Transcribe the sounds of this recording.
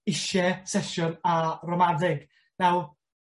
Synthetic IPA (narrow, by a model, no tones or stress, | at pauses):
ɪʃɛsɛʃɔnarɔmadɪɡ̥ | naw